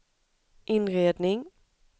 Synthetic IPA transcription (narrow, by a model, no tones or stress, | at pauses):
ʔɪnɾeːd̪nɪŋ